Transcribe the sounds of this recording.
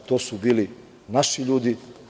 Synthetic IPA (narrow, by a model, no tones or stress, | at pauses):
t̪oːsubiːli | naʃiʎuːd̪i